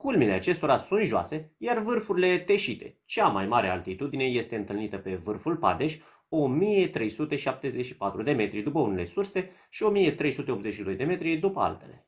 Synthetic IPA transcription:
kulmile̞at͡ʃe̞st̪o̞ɾasunt̪ʒoa̰se̞jarvɨrfuɾile̞t̪e̞ʃit̪e̞̰t͡ʃamajmaɾe̞a̰lt̪it̪ud̪ine̞je̞st̪e̞ɨnt̪ɨlnit̪əpe̞vɨrfulpa̰d̪e̞ʃʲ | o̞mije̞t̪ɾe̞jsut̪e̞ʃap̚t̪e̞zet͡ʃʃi̥pat̪ɾud̪e̞me̞t̪ɾid̪upəune̞le̞surse̞ | ʃio̞mije̞t̪ɾe̞jsut̪eo̞pt̪ze̞t͡ʃʃid̪o̞jd̪e̞me̞t̪ɾid̪upəa̰lt̪e̞̰le̞

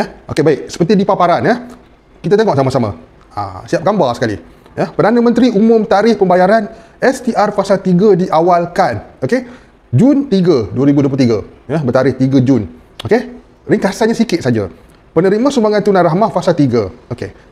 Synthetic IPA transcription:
jəhʔokebaɪk̚sə̥pərt̪idipapaɾanjəh | kit̪at̪eŋɔʔsamasamã̰ | a̰siap̚ɡambasə̥kalḭ | jəhpərdanamə̃nt̪ɾiumʊ̃mt̪aɾɪhpəmbajaɾan | ɛst̪iʔarfasalt̪iɡadiʔawalkanoke | d͡ʒunt̪iɡəduəɾibuduop̬lult̪iɡajəhbərt̪aɾɪht̪iɡəd͡ʒʊn | oke | riŋkasanɲasikɪt̪̚sad͡ʒa̰ | pənəɾimãsumbaŋant̪unãnɾaɦmahfasalt̪iɡaokḛ

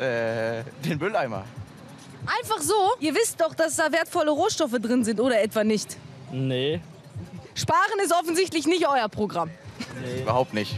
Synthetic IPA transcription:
ʔɛːd̥eːnbʏlaɪmɐ̰ | ʔaɪnfaχz̥oːiːɐvɪstd̥ɔχd̥asd̥aːveːɐtfɔləʁoːʃtɔfədʁɪnzɪntʔoːɾɐɛtv̥anɪçt | ne | ʃpaːʁənɪs̬tʔɔfn̩zɪçtlɪçnɪçtʔɔʏɐpʁ̥oɡʁamː | bɐhaʊp̚tnɪçt

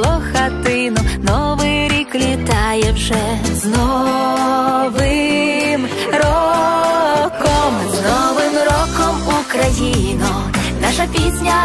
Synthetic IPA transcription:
lˠɔxɐt̪ɪnʊnɔʋɪɾʲiklʲit̪ɑjɛwʒɛ | znɔ | ʋɪm | ɾɔ | kɔmznɔʋɪmɾɔkɔmukɾɐjinʊ | naʃɐpʲisʲnʲɐ

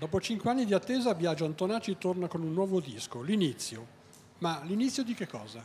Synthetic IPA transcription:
d̪ɔːpot͡ʃiŋkweanːid̪iat̪ːeːzabjad͡ʒoant̪onaːt͡ʃit̪ornakonunːwɔːvod̪iskolinit̪sːjo | malinit̪sːjod̪ik̟ekːɔːza

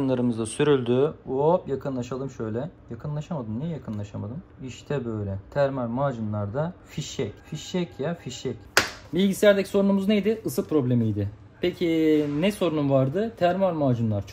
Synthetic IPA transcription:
nlˠaɾɯmɯzd̪asyɾylʲd̪yojakʰɯnlˠaʃalˠɯmʃø̞jlʲɛjakʰɯnlˠaʃamad̪ɯmnijɛjakʰɯnlˠaʃamad̪ɯmiʃt̪ʰɛbøjlʲɛt̪ʰæɾmaɾmaːd͡ʒɯnlˠaɾd̪afiʃɛcfiʃɛcjafiʃɛcbilʲɟisʲæɾd̪ecʰʲi̥so̞ɾunumuznejd̪ɪɯsɯpʰɾo̞blʲemijd̪ɪ | pʰecʰinɛso̞ɾunumvaɾd̪ɯt̪ʰæɾmaɾmaːd͡ʒɯnlˠaɾt͡ʃʰ

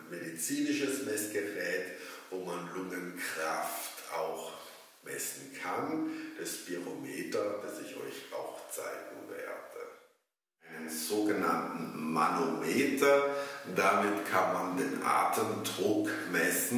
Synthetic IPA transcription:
nmedit͡siːnɪʃəsmɛsɡ̥əʁɛːtvoːmanlʊŋənkʁ̥aftʔa̰ʊx | mɛsn̩kʰand̥ɛsb̥iʁomeːtɐd̥asɪçʔɔ̰ʏça̰ʊxt͡sa̰ɪɡŋ̩vḛːɐd̥ə | ʔaɪnənz̥oːɡənantn̩ma̰nomeːtɐdamɪtkʰanmandeːnʔa̰ːtʰəmdʁʊkmɛsn̩

